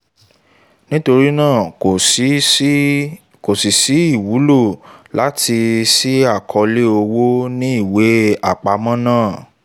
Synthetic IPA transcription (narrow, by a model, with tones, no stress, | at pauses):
nĩ˦to˧ɾi˦nãː˦˨˦ | ko˨si˨si˨˦i˦˨wu˨˦lo˦˨la˨˦ti˧si˦a˦˨kʰɔ˧le˦o˧wo˦nĩ˦i˦˨we˨˦a˦˨k͡pa˨˧mɔ̃˦nãː˦˨